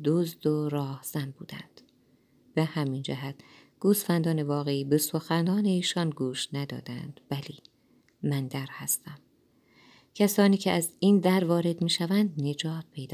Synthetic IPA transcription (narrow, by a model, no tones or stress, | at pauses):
d̪ozd̪oɾɒːhz̥æmbṵːd̪æ̰nd̪̥ | b̥ehæmind͡ʒæɦæt̪̚ʰ | ɡ̥uːsfænd̪ɒːne̞vɒːɣe̞iːbe̞soxænɒːne̞iːʃɒnɡuːʃnæd̪ɒ̰ːd̪æ̰nd̪̥væliː | mænd̪æɾhæst̪æm | cʲʰæsɒːniːcʰeʔæzind̪æɾvɒːɾe̞d̪miːʃævænd̪ne̞d͡ʒɒːt̪̚pʰe̞jd̪ɒː